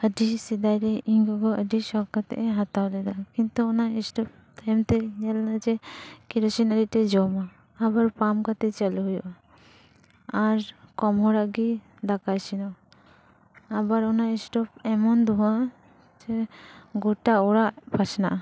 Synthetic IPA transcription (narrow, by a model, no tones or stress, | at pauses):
əɖisid̪ajɾɛiŋɡɔɡɔəɖisɔkat̪ɛ̰ʔɛɦat̪awlɛd̪akint̪uɔnaɛsʈɔp̚t̪ajmt̪ɛɲəlnad͡ʒɛkiɾɔsinəɾiʔt̪ɛd͡ʒɔmaː | baɾpamkat̪ɛt͡ʃəluɦujuʔa | aɾkɔmɦɔɾaʔɡi | d̪akajsinɔ | abaɾɔnaɛsʈɔpɛmɔnd̪uɦa | d͡ʒɛɡɔʈaɔɽaʔpat͡ʃnaʔa